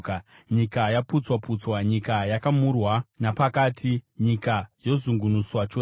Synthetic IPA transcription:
ɲikajaput͡swaput͡swaɲikajakamurwanapakaːtʰiɲikajo̞zuŋɡunuswat͡ʃo

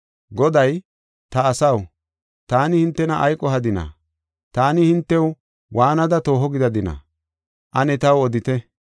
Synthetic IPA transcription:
ɡɔd̪ɐj | t̪ɐːsɐw | t̪aːnɪhɪnt̪ːɛnɐʔɐjkʼːɔɦɐd̪ɪnɐ̰ | t̪aːnɪhɪnt̪ːɛw | wʔaːnɐd̪ɐt̪o̞ːɦɔɡɪd̪ɐd̪ɪnɐ̰ | ʔɐnɛt̪ɐwɔd̪ɪt̪ɛ

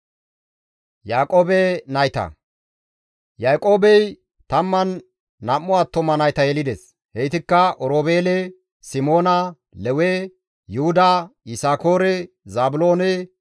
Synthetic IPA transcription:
jaːkʼoːbɛnɐjt̪ɐ̰ | jaːkʼo̞ːbɛj | t̪ɐmːɐnː | ɐmːʊaːt̪ːɔmːɐnɐjt̪ɐjɛlɪd̪ɛs | hɛjt̪ɪkːɐʔɔɾoːbeːlɛ | sɪmo̞ːnɐ | lɛwe | jʊhʊd̪aɪsaːko̞ːɾɛ | zaːbʊlo̞ːnɛ

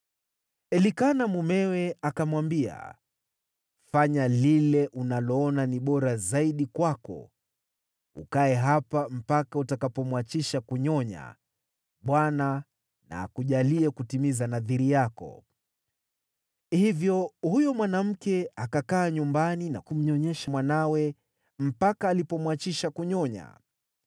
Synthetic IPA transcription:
ɛlikanamumɛwɛakamwambia̰ | faɲalilɛʔunalɔɔnaniɓɔɾazaiɗikwakɔ̰ | ṵkaɛɦapam̩pakautakapɔmwat͡ʃiʃakuɲɔɲa̰ | ɓwana | na̰ːkuʄaliɛkutimizanaðiɾijakɔ̰ | hivjɔhujɔmwanam̩kɛakakaːɲumbanina̰kum̩ɲɔɲɛʃamwanawɛ | m̩pakaːlipɔmwat͡ʃiʃakuɲɔɲa̰

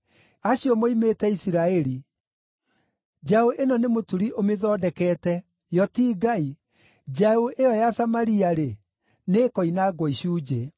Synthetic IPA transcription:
aɕiɔmoimetɛisiɾaɛɾi | d͡ʑaoʔenɔnemotuɾiʔomeðɔːdɛkɛːtɛ | jɔtiːɡai | d͡ʒaoʔeɔjasamaɾiaɾe | neːkɔinaɡwɔiɕuːd͡ʑe

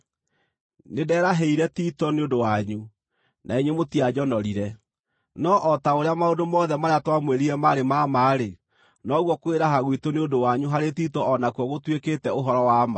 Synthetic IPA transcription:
nedɛːɾaɦɛiɾɛtitɔneodowaɲu | nʔaeɲemotiad͡ʑɔnɔɾiɾɛ | nɔʔɔtaoɾeamaodomɔːðɛmaɾeatwamweɾiɾɛmaɾemamaːɾe | nɔɣwɔkoeɾaɦaɣwitoneodowaɲuɦaɾetiːtɔɔnakuɔɣotweketɛoɦɔɾɔwaːma

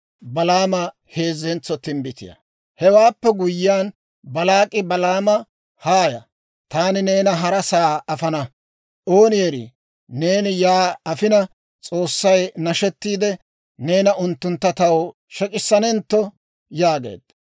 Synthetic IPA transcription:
bɐlaːmɐ | he̞ːzːɛnt͡sːɔt̪ɪmbɪt̪ɪ̰jɐ̰ | hɛwaːpːɛɡʊjːɪjaːn | bɐlaːkʼɪbɐlaːmɐ | haːjɐ | t̪aːnɪne̞ːnɐɦɐɾɐsaːɐfɐnɐ | ʔo̞ːnɪjɛɾḭ | neːnɪjaːɐfɪnɐ | t͡sʼo̞ːsːɐjnɐʃɛt̪ːiːd̪ɛ | neːnɐʔʊnt̪ːʊnt̪ːɐt̪ɐw | ʃɛkʼɪsːɐnɛnt̪ːɔ | jaːɡe̞̰ːd̪̥

